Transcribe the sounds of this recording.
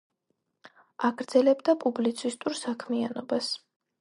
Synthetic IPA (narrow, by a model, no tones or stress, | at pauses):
aɡɾd̪zɛlɛbd̪apʼublit̪sʰist̪ʼuɾsakʰmianɔbas